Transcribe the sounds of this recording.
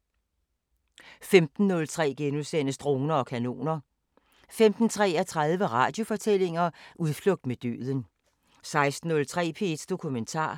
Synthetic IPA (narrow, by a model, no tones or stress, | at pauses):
femd̥n̩ːɔ̽lt͡sʰʁɛ̰ːɡ̥enuðˠsen̰əsd̥ʁo̝ːnɐɒ̽kʰæno̝̰ːnɐ | femd̥n̩t͡sʰʁɛ̰ːæt͡sʰʁɑð̞ˠʋəʁɑ̰̈d̥jo̝fɒ̽t͡sʰel̰e̝ŋɐʔuðˠflɔ̽ɡ̥̚d̥med̥ø̰ːðˠən | sɑ̈ɪsd̥n̩ːɔ̽lt͡sʰʁɛ̰ːpʰe̝d̥d̥o̝kʰument͡sʰɑ̰̈ː